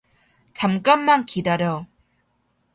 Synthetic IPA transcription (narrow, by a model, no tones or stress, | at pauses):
t͡ɕamk͈amːankidaɾjʌ